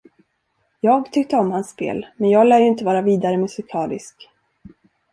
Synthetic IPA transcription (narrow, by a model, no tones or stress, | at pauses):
jɑːɡt̪ʰʏk̚t̪əɔmhansːpḛːlmɛnjɑːɡlæːɾjəɪnt̪əvɑːɾaviːd̪aɾəmɵsɪkʰɑːlɪ̰sk